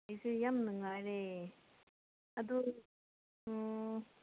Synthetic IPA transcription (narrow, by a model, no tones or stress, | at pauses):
ajsɯjamnɯŋaɾe | ad̪u